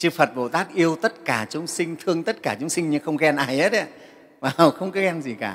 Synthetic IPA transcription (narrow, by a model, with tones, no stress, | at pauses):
t͡ɕɨ˧fə˨˩t̚ɓo̰˧˩t̪aː˦˥k̚ʔi˧əwt̪ə˦˥t̚kaː˧˩t͡ɕʊ˨˦ŋ͡msï˧ŋ̟t̪ʰɨ˧əŋt̪ə˦˥t̚kaː˧˩t͡ɕʊ˨˦ŋ͡msï˧ŋ̟ɲɨ˧xə˧wŋ͡mkɛ˧nʔaː˨˩jhe˦˥t̚e˧˦ | vaː˨˩˨wxə˧wŋ͡mkɔ˨˦˥kɛ˧mzi˨˩kaː˧˩